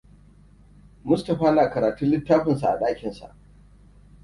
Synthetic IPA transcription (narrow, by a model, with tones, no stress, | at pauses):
mʊ˦stɐ˨ɸaː˦naː˨kɐ˨ɾaː˨tu˦nlɪ˦tːaː˦ɸɪ˨nsa˨ʔa̰˨ɗaː˦kʲɪ˨nsa̰˨ʔ